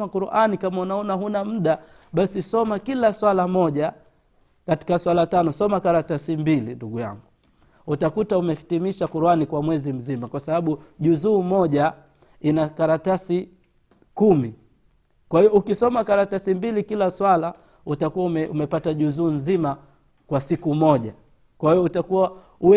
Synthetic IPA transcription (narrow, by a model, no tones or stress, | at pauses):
akuɾuʔanikamaunaɔnaɦunam̩ɗa | ɓasisɔmakilaswalamɔʄa | kati̥kaswalatanɔsɔmakaɾatasimbilinduɡuja̰ŋɡu | utakutaumɛhitimiʃakuɾuanikwamwɛzim̩zimakwasaɓaɓuʄuzuːmɔʄa | inakaɾatasi | kumi | kwahiɔukisɔmakaɾatasimbilikilaswala | utakuwaumɛumɛpataʄuzuːnzima | kwasikumɔʄa | kwahiɔutakuwa | uɛ